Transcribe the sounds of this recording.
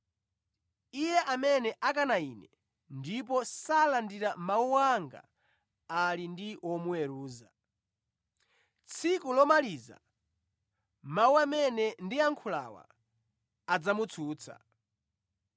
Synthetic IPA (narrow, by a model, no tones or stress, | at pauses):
ijɛʔamɛnɛʔakanainɛ | ndipɔsalandiɾamauwaŋɡa̰ | alindiɔmuwɛɾuːza | t͡sʰikulɔmaliza̰ | mauamɛnɛndiaŋkʰula̰wa̰ | ad͡zamut͡sʰuːt͡sʰa̰